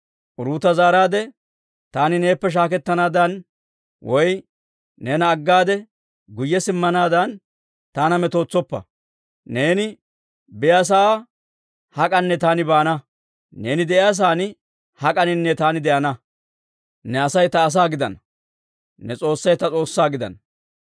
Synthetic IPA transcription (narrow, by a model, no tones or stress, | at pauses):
ʔʊɾuːt̪ːɐzaːɾaːd̪ɛ | t̪aːnɪne̞ːpːɛʃ̬aːkɛt̪ːɐnaːd̪ɐn | wɔj | nɛnɐːɡːaːd̪ɛ | ɡʊjːɛsɪmːɐnaːd̪ɐn | t̪aːnɐmɛt̪o̞ːt͡sːɔpːɐ̰ | ne̞ːnɪ | bɪjaːs̬aː | hɐkʼɐnːɛt̪aːnɪbaːnɐ | ne̞ːnɪd̪ɛʔɪjaːs̬aːnɪ | hɐkʼɐnɪnːɛt̪aːnɪd̪ɛʔɐnɐ | nɛɐsɐjt̪ɐːs̬aːɡɪd̪ɐ̰nɐ | nɛt͡sʼo̞ːsːɐjt̪ɐt͡sʼo̞ːsːaːɡɪd̪ɐ̰n